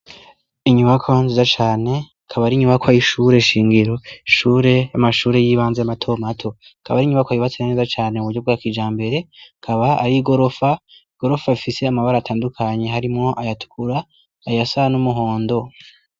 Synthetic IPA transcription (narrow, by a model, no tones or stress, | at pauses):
iɲuβakʰoanzizat͡ʃaːne̞ | kʰaβaɾiɲuβakʰajiʃuːɾe̞ʃiːŋɡiɾo̞ʃuːɾe̞jamaʃuːɾe̞jiːβaːnzeamatʰo̞matʰo̞kʰa̰βaɾiɲuβakwajiβat͡seane̞zat͡ʃaːne̞uβuɾɟob̚ɡaːkid͡ʒaːmbe̞ɾe̞kʰaβaaɾiɡo̞ɾo̞faiɡ̥o̞ɾo̞fafise̞amaβaɾaːtʰaːndukʰaɲe̞ɦaɾimŋo̞ʔajatu̥kuɾaː | jasanumuɦo̞ːndo̞